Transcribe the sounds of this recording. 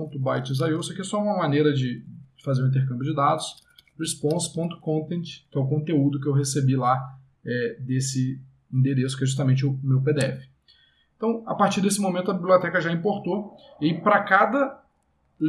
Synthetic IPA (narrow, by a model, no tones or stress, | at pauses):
õt̪ʊbajt͡ʃɪ̃z̬ajosɐkiɛsɔɛũmɐmanejɾɐd͡ʒɪd͡ʒɪfazeɾũĩnt̪eɾkɐ̃mbjʊd͡ʒɪd̪ad̪ʊshespõspõnt̪ʊ̥kõnt̪ẽnt͡ʃɪ̥kɪɛʊkõnt̪eud̪ʊk̬ɪewɦesebila | ɛd̪esɪ | ĩd̪eɾesʊ̥kɪɛʒus̬t̪amẽnt͡ʃɪʊmewped̪eɛfɪ̥ | ẽt̪ɐ̃w̃a̰paɾt͡ʃiɾd̪esɪmõmẽnt̪ʊɐbibliot̪ɛkɐʒaĩmpoɾt̪opɾɐkad̪ɐ